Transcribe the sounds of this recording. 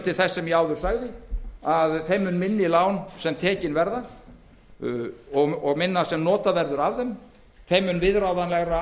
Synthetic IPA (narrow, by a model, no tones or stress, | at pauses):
t̪ʰɪlθɛsːɛmjɛaːwðʏɾ̥saɣðɪaðθejmʏnmɪnːɪlaːwnsɛmt̪ʰɛːcɪnvɛɾða | ɔɣɔɣmɪnːasɛmnɔːt̪avɛɾðʏɾavðɛm | θejmːʏnvɪðɾawðanlɛɣɾa